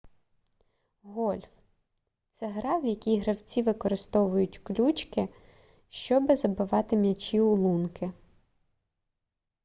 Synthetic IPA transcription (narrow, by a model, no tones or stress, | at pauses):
ɦɔlʲf | t̪sɛɦɾɑwjɐkʲijɦɾɐwt͡sʲiʋɪkɔɾɪst̪ɔʋʊjʊtʲklʲut͡ʃkɪ | ʃt͡ʃɔbɪzɐbɪʋɑt̪ɪmʲjʲɐt͡ʃʲiʊlˠunkɪ